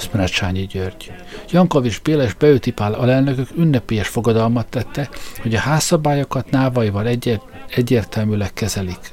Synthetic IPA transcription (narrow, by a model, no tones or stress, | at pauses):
smnat͡ʃaːɲiɟørɟ | jɒŋko̞vid͡ʒbeːleʒbɛøt̪ipaːlɒlɛlnøkøkynːɛpeːjɛʃfo̞ɡɒd̪ɒlmɒt̪ːɛt̪ːɛho̞ɟɒhaːsːɒbaːjokɒt̪naːvɒjivɒl | ɛɟːeːrt̪ɛlmyːlɛkːɛzɛlik